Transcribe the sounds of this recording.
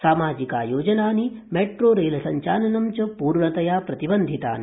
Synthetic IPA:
saːmaːd͡ʒika̰ːjoːd͡ʒɐnaːnimeːʈɾoːɾeːlɐsɐɲt͡ʃaːlɐnɐmt͡ʃɐpuːɾɳɐt̪ɐjaːpɾɐt̪ibɐnd̪ʱit̪a̰ːni

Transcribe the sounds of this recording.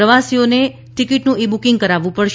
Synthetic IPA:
əʋasione | ʈikiʈnũibukɪ̃ŋɡ̚kəɾaʋũpəɽʃ

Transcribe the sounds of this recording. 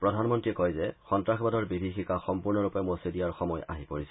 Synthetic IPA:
pɹɔdʱanmɔntɹiɛkɔjzɛxɔntɹaxʰbadɔɹbibʱixikaxɔmpuɹnɔɹupɛmosediaɹxɔmɔjʔa̰ɦipoɹisɛ̥

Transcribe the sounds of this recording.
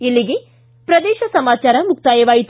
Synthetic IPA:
ilːiɡe | pɾɐd̪ɛːʃɐsɐmaːt͡ʃaːɾɐmuk̚t̪aːjɐʋaːjit̪

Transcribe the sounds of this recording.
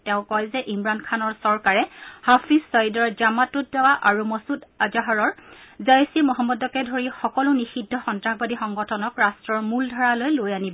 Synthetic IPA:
tɛʊ̃kɔjzɛʔimɹankʰanɔɹsɔɹkaɹɛhafʰizːɔjidɔɹd͡ʒamatut̚ːawaʔaɹumɔsudad͡ʒaɦɔɹɔɹzajsimɔɦamːɔdɔkɛdʱoɹixɔkɔlʊnixidʱːɔxɔntɹaxbadixɔŋɡɔtʰɔnɔkɹastɹɔɹmuldʱɔɹalojlojanibɔ

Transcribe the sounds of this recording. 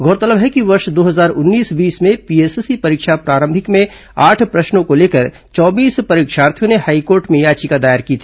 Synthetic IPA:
ɡʱɔːɾt̪ələbɦɛkiʋɐɾʃd̪oːɦɐzaːɾʊnːiːsbiːsmẽpieːsesipɐɾɪkʃapɾaːɾə̃mbʱɪkmẽ | aːʈʰpɾɐʃnõkoleːkəɾ | t͡ʃɔːbiːspɐɾiːkʃaːɾt̪ʰjõnehaːikoːɾʈmẽjaːt͡ʃikad̪aːjəɾkiːt̪ʰiː

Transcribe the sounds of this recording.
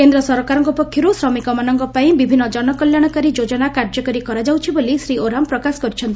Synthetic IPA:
kend̪ɾɔsɔɾɔkaɾɔŋkɔupɔkʰːjɔɾusɾɔmikɔmanɔŋkɔpaĩbibʱinːɔd͡ʒɔnɔkɔljaɽ̃ɔkaɾid͡ʒod͡ʒɔnakaɾd͡ʒɔkaɾikɔɾad͡ʒawt͡ʃʰibolisɾioɾampɾɔkasɔ̥kɔɾit͡ʃʰɔnt̪i

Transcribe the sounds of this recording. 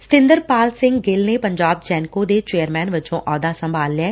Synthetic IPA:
sɪ̥t̪ɪ̃nd̪əɾpaːlsɪ̃ŋɡɡɪlneːpəɲd͡ʒaːb̚d͡ʒɛːnkoːd̪eːt͡ʃeːəɾmɛːnʋɪt͡ʃõːʔɔːd̪aːsəmbʱaːlːɪɛː

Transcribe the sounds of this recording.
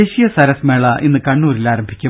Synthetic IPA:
eːɕijɐsɐɾɐsmeːɭɐʔinːɨkɐɳːuːɾilaːɾɐmbʱikʲːu

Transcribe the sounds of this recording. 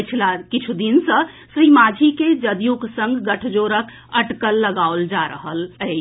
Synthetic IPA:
t͡ʃʰlakit͡ʃʰud̪insə̃ | sɾimad͡ʒʱiked͡ʒəd̪juksə̃ŋɡʱɡəʈʰd͡ʒoɾək | əʈkəlːəɡaold͡ʒaɾəɦələɪ

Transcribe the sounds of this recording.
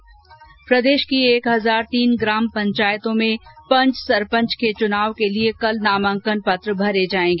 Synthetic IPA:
pɾəd̪eːʃkieːkɦɐzaːɾt̪iːnɡɾaːmpɐ̃ɲt͡ʃaːjt̪õmẽpɐ̃ɲt͡ʃsɐɾpə̃ɲt͡ʃket͡ʃʊnaːʋkeliekɐlnaːmə̃ŋkənpɐt̪ɾəbʱɐɾed͡ʒaːẽːŋɡeː

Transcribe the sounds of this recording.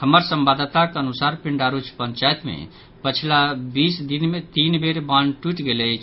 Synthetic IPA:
həməɾsəmbad̪t̪akeənusaɾpiɳɖaɾut͡ʃʰpəɲt͡ʃajt̪mḛ | pət͡ʃʰilabisd̪inmet̪inbeɾbanʈiʈɡelət͡ʃʰ

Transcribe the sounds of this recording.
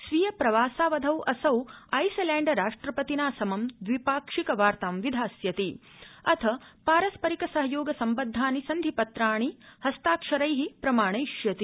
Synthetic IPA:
sʋijɐpɾɐʋaːsaːʋɐd̪ʱɐwʔɐsɐwɐjsɐlɛːɳɖɐɾaːʂʈɾɐpɐt̪inaːsɐmɐmd̪ʋipaːkʂikɐʋaːɾt̪aːmʋid̪ʱaːsjɐt̪i | ɐt̪ʰɐpaːɾɐspɐɾikɐsɐɦɐjoːɡɐsɐmbɐd̪ʱːaːnisɐnd̪ʱipɐt̪ɾaːɳ̃ihɐst̪aːkʂɐɾɐjɦipɾɐmaːɳɐjʃjɐt̪i

